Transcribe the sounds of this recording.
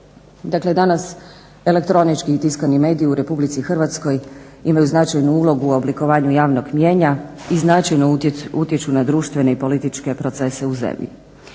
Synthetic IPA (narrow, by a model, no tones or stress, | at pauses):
d̪akle̞d̪anas | e̞le̞kt̪ɾo̞nit͡ʃkit̪iskanime̞ːd̪iːuɾe̞publit̪sixrʋat̪sko̞j | imajuznat͡ʃajnuuːlˠo̞ɡuo̞bliko̞ʋaːɲujaːʋno̞ɡmje̞ːɲa | iznat͡ʃajnout̪je̞t͡ʃunad̪ɾuːʃt̪ʋe̞ne̞ipo̞lit̪it͡ʃke̞pɾo̞t̪se̞se̞uzḛmʎḭ